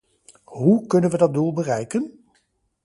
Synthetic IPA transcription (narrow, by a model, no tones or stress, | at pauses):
ɦukɵnənʋədɑt̚dulˠbərɛjkən